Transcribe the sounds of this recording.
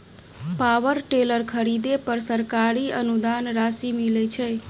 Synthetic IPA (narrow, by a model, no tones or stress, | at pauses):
pawəɾʈeləɾkʰəɾid̪epəɾsəɾkaɾiənud̪anɾasimilɛt͡ʃʰɛ